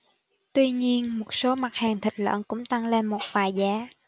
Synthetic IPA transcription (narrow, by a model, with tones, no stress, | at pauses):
t̪wi˧ɲi˧ənmo˨˩t̚so˨˦ma˨˩t̚haː˨˩ŋt̪ʰï˨˩k̟̚lə̰˧˨nkʊ̰˧˥ŋ͡mt̪a˧ŋle˧nmo˨˩t̚vaː˨˩jzaː˨˦